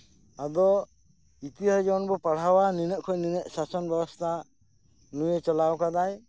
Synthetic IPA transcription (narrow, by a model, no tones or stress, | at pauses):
ad̪ɔ | it̪iɦad͡ʒɔnbɔpaɽ̤awaninəʔ̚kʰɔjninəʔsasɔnbɛbɔst̪ʰa | nujet͡ʃɔlawkad̪aj